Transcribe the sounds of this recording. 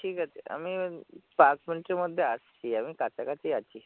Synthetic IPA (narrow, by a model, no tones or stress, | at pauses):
ʈʰiːkat̪ea̰miːpaɾsmənʈɾiməd̪ʱːjeast͡ɕiːamikat͡sakat͡siat͡ɕi